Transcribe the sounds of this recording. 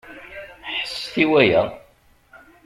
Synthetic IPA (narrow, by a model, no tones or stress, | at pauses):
ħəsθiwæjæ̰